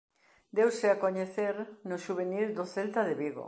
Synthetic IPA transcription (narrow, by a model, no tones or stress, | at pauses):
d̪ewsɪakoɲeθeɾnʊʃuβ̞enild̪oθelt̪aðeβiɣo̰